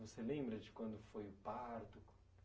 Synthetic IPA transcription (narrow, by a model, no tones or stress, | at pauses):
voselẽmbɾɐd͡ʒɪkwɐ̃nd̪ʊfojʊpaɾt̪ʊk